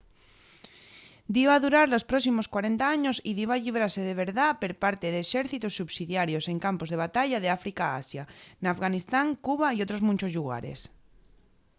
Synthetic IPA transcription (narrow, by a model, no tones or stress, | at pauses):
d̪iwaðuɾaɾlo̞spɾosimo̞skwaɾent̪aaɲosiðiaʎiβ̞ɾaɾse̞ð̞eβeɾðapeɾpaɾt̪eðeːʃeɾθit̪osːuβsiðjaɾjose̞ŋkampo̞zð̞e̞β̞at̪aʎað̞eafɾikaa̰sjanafɣanist̪aŋkuβ̞aiot̪ɾozmũnt͡ʃozʎuɣa̰ɾḛs